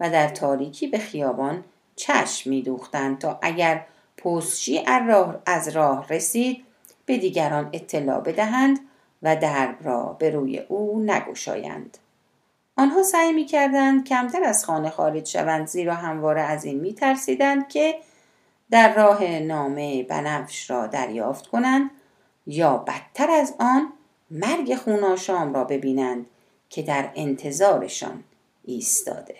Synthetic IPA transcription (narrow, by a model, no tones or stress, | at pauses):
væd̪æɾt̪ʰɒːɾiːcʰiːbe̞xijɒːbɒːn | t͡ʃʰæ̰ʃmːiːd̪uːxt̪ænd̪̥̚t̪ʰɒːʔæɟæɾ | pʰost͡ʃiːʔæzɾɒːhresiːd̪̥̚ | b̥e̞d̪iːɟæɾɒːne̞t̪ʰːe̞lɒ̰ːbe̞d̪æɦænd̪ | væd̪æɾbɾɒ̰ːbe̞ɾuːjḛʔuːnæ̰ɡo̞̰ʃɒ̰ːjæ̰nd̪̥ | ʔɒːnɦɒːsæːjmiːcʰæɾd̪ænd̪cʰæmt̪ʰæɾæz̥xɒːne̞xɒːɾed͡ʒʃæ̰vænd̪ziːɾɒːɦæmvɒːɾeæziːnmiːt̪ʰæɾsiːd̪ænd̪̚cʰe̞ | d̪æɾːɒːɦe̞nɒːme̞bæ̰næfʃɾɒːd̪æ̰ɾjɒːft̪kʰonænd̪ | jɒːbæt̪ʰːæɾæzɒːn | mæɾɡe̞xuːnɒːʃɒːmɾɒːbe̞biːnænd̪̥ | kcʰe̞d̪æɾe̞nt̪ʰe̞zɒːɾe̞̰ʃɒ̰ːn | ʔiːst̪ʰɒ̰ːd̪e̞̥